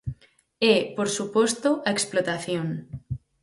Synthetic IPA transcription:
epoɾsupost̪oʔaeksplot̪aθjoŋ

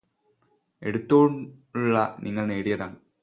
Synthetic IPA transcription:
e̞ɽut̪ːoːmuɭːɐniŋːɐɭneːɽijɐðaːɳ

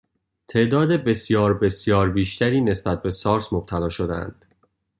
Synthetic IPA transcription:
t̪ʰe̞ʔd̪ɒːd̪ebe̞sjɒːɾbe̞sjɒːɾbiːʃt̪ʰæɾiːne̞sbæt̪̚be̞sɒːɾsmob̥̚t̪ʰælɒːʃod̪eæ̰nd̪̥

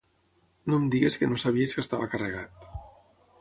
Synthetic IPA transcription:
nomd̪iɣeskənosaβ̞ieskəst̪aβakarəɣ̞at̪

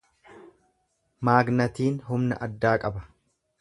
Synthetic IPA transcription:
maːɡnɐt̪iːnɦʊmnɐ̰ʔɐd̪ːaːkʼɐbɐ̥

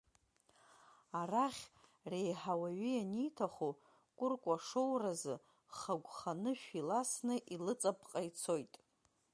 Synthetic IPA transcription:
araχʲ | rejħawaɥijanijtʰaχu | kʷʼʊrkʷʼaʂowrazɨ | χaɡʷχanɨʃᶣilasnɨʔilɨt͡sʼapʰʼqʼajt͡sʰo̞jtʼ

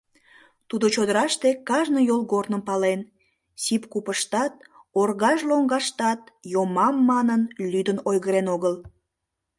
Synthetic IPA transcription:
t̪ud̪ot͡ɕod̪əɾɑʃt̪ekɑʒnojolɣornəmpɑlen | sipkupəʃt̪ɑt̪̚ | orɣɑʒloŋɡɑʃt̪ɑt̪jomɑmːɑnənlyd̪ənojɣəɾenoɣəl

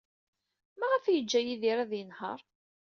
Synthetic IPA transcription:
mæʁæfjəd͡ʒːæjiðiɾæðjənhə̰ɾˤ

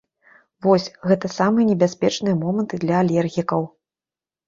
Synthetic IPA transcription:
vɔsʲɣɛt̪ɐsamɨjɐnʲɛbʲasʲpʲɛt͡ʂnɨjɐmɔmɐnt̪ɨd̪lʲɐalʲɛrɣʲikɐw

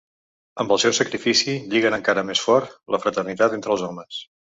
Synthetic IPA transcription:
əmbəlˠsɛwsəkɾifisiʎiɣənəŋkaɾəmesfɔrt̪ləfɾət̪ərnit̪at̪ent̪ɾəlˠzɔməs

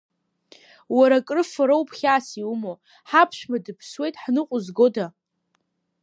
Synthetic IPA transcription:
waɾakʼrɨfaɾowpʰχʲaːsiumo | ħapʰʃʷᶣmadɨpʰswe̞jtʼħnɨqʷʼʊzɡo̞da

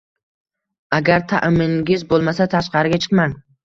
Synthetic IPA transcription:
aɡʲaɾt̪ʰa̰ʔmɪŋɡʲɪzbolˠmasat̪ʰaʃqʰɑɾɪɡʲat͡ʃʰɨ̥qman

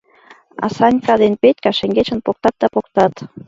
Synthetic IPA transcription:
ɑ̰sɑnʲkɑd̪enpet̪ʲkɑʃĕŋɡet͡ɕə̆npok̚t̪ɑt̪̚d̪ɑpokt̪ɑt̪

